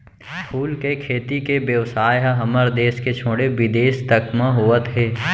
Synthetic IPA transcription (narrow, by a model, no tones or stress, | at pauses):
pʰuːlkekʰeːt̪ikebjəʋsaːjɦɦɐməɾd̪eːsket͡ʃʰoːɽebɪd̪eːʃt̪əkmãɦoːət̪ɦɛː